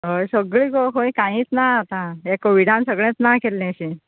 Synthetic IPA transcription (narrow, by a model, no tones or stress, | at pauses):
ɦojsəɡɭiːɡoɦojkãĩːt͡snaat̪ãekoʋiɽãnsəɡɭɛ̃t͡snakelːẽɕi